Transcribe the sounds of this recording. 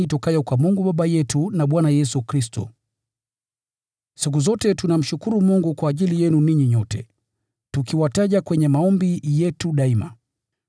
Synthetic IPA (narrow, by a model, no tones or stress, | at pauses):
itɔkajɔkwamuŋɡuɓaɓajɛtunaɓwanajɛsukɾistɔ̰ | sik̬uzɔtɛtunam̩ʃukuɾumuŋɡukwaːʄilijɛnuniɲiɲɔtɛ | tukiwataʄakwɛɲɛmaɔmbijɛtuɗaima̰